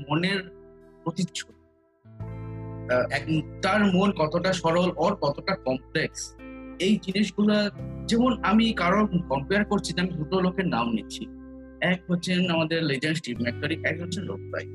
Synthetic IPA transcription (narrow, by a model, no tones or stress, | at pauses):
moneɾ | pɾot̪iːʃʰo | ɛkt̪aɾmonkɔt̪oʈaʃɔɾolɔɾkɔt̪oʈakɔmpleksejd͡ʑiniʃ̬ɡulad͡ʑemonamikaɾokɔmpeaɾkoɾt͡ɕʰinamid̪ɾut̪olokeɾnamnit͡ɕʰi | ɛkɦotːɕʰenamad̪eɾled͡ʑensʈipmɛkːaɾikɛkɦoːt͡ɕʰenlo̰k̚sa̰j